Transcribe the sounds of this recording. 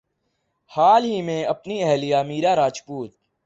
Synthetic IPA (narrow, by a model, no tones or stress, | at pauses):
haːlɦiːmẽːəpniːɛɦlijaːmiːɾaːɾaːt͡ʃpuːt̪̚